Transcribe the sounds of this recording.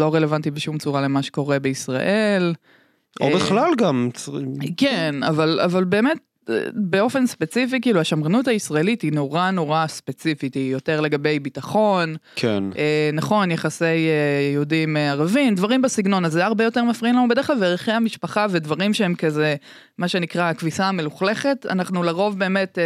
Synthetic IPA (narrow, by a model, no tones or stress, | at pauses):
lo̞ʁe̞le̞vantibeʃumt͡suʁale̞maʃe̥ko̞ʁe̞beisʁa̰ʔe̞l | ʔobeχlalɡamt͡skena̰vala̰valbe̞ːme̞t̚ː | be̞o̞fe̞nspe̞t͡sifikiːluaʃamʁenuthaisʁae̞litino̞ʁano̞ʁaspet͡sifitijo̞te̞ʁle̞ɡabe̞jbitaχo̞nkʰḛnenaχo̞njeχase̞jeihudimeaʁavimd̪vaʁimbesiɡno̞nazeaʁbejo̞te̞ʁmafʁinlanubede̞χlalveʁeχejhamiʃpaχave̞dvaʁimʃeemkaze | maʃe̞nikʁaakvisaame̞luχle̞χe̞ta̰naχnulaʁo̞vbe̞ːme̞t